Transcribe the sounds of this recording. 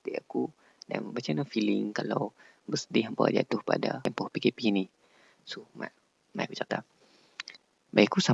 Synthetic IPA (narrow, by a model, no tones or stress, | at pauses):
t̪iʔaku | da̰nəbat͡ʃanafilɪŋkala̰w | bəsədɪɦəmpawa̰d͡ʒa̰t̪ʊhpa̰da̰ɛmpɔhpikepini | suma̰ʔ | ma̰jkut͡ʃat̪a | bajikusa